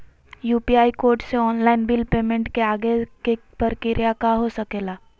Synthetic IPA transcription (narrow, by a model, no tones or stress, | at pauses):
juːpiaːikoːɾʈseɔːnlaːɪnbɪlpeːmẽɳʈkeaːɡekepəɾkɪɾʔjakaɦosɐkeːlaː